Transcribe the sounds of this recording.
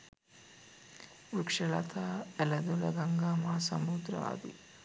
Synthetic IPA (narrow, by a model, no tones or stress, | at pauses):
ukʂɐlɐ̰t̪ʰaːɛlɐd̪ulɐɡɐŋɡaːmaːsɐmud̪ɾa̰ːd̪ḭ